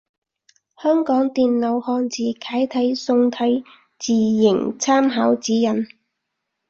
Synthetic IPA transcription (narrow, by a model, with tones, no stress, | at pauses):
hœː˥ŋkɔː˨˥ŋt̪iː˨nlo˨˧whɔː˧nt͡siː˨kʰaː˨˥jt̪ʰɐ˨˥jsʊ˧ŋt̪ʰɐ˨˥j | t͡siː˨jɪ˨˩ŋt͡sʰaː˥mɦaː˨˥wt͡siː˨˥jɐ˨˩n